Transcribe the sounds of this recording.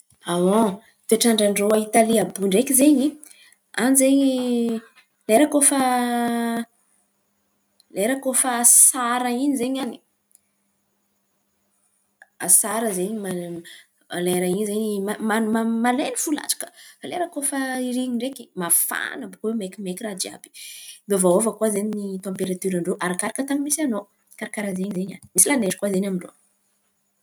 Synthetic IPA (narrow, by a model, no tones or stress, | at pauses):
awõ | t̪eʈ͡ʂaɳɖ͡ʐaɳɖ͡ʐoaɦit̪aliabuɳɖ͡ʐekizeɲi | anzeɲi | leɾakofə | leɾakofəsaɾəinizeɲani̥ | a̰saɾəzeɲima | leɾainizeɲimamanmamalenifula̰t͡ʃḁkə̥faleɾakofəiɾiɲiɳɖ͡ʐekimafa̰nabukowemekimekirad͡ʒia̰bi̥bevaovəkwazeɲinit̪ɑ̃mpeɾat̪yɾaɳɖ͡ʐoʔaɾakaɾakət̪aɲimisano | kaɾakaɾazeɲzeɲa̰nimisilaneʈ͡ʂi̥kwazeɲamiɳɖ͡ʐo̰